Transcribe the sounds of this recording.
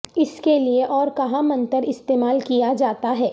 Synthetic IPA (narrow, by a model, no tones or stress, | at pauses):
ɪskelieʔɔːɾkɐɦãmɐ̃nt̪əɾɪst̪eːmaːlkijad͡ʒaːt̪aɦɛː